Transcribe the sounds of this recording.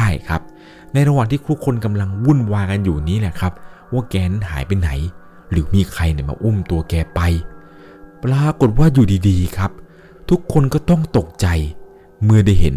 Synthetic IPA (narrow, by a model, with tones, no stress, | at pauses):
aː˥˩jkʰa˦˥p̚ | na˧jɾa˧waː˨˩ŋt̪ʰiː˥˩t̪ʰu˦˥˩kʰːo˧nka˧mla˧ŋwu˥˩˨nwaː˧ka˧njuː˨˩niː˦˥lɛ˨˩kʰa˦˥p̚waː˥˩kɛː˧na˧˥nɦa̰ː˩˦jpa˧jna̰˩˦j | ɾɯː˩˦miː˧kʰɾa˧jni˨˩ma̰ː˧ʔu˥˩mt̪u˧ɐkɛː˧pa˧j | pɾaː˧ko˨˩t̪̚waː˥˩juː˨˩diː˧diː˧kʰa˦˥p̚ | t̪ʰu˦˥kʰːo˧nkɔː˥˩t̪ɔ˥˩ŋt̪o˨˩k̚t͡ɕa˧j | mɯ˧əda˥˩jɦḛ˩˦n